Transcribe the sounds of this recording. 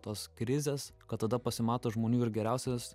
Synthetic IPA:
t̪oːskɾʲɪzʲeːskɐt̪t̪ːɐd̪ɐpɐsʲɪmɑːt̪oːʒmoːnʲuːɪɾɡʲɛɾʲæˑʊsʲɛs

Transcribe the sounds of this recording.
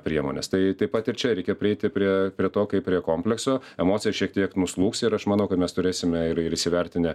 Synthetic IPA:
pʲɾʲiɛmoːnʲḛst̪ɐɪt̪ɐɪpɐt̪ɪɾt͡ʃʲɛɾʲɛɪkʲɛpʲɾʲɪɛɪt̪ʲɪpʲɾʲiɛpʲɾʲiɛt̪oːkɐɪpʲːɾʲiɛkoːmʲpʲlʲɛksoːɛmoːsʲɪjɛʃʲiɛk̚t̪ʲiɛknʊslˠuːksɪɾɐʃmɑːnɐʊkɐt̪mʲɛst̪ʊɾʲeːsʲɪmʲɛɪɾɪɾɪsʲɪʋʲɛɾʲt̪ʲɪnʲɪ

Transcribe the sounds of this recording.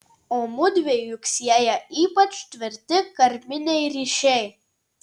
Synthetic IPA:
oːmʊd̪ʲʋʲeɪjʊksʲiɛjɛiːpɐt͡ʃt̪ʲʋʲɪɾʲt̪ʲɪkɐɾʲmʲɪnʲɛɪɾʲiːʃʲɛɪ

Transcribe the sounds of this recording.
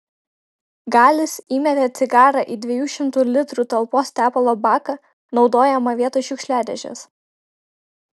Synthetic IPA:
ɡɑːlʲɪsiːmʲɛt̪ʲɛt̪sʲɪɡɑːɾɐʔiːd̪ʲʋʲɛjuːʃʲɪmt̪ulʲɪt̪ɾuːt̪ɐlˠpoːst̪ʲæːpɐlˠoːbɑːkɐ | nɒʊd̪oːjɛmɐʋʲiɛt̪oʃʲʊkʃʲlʲæːd̪ʲɛʒʲɛ̰s

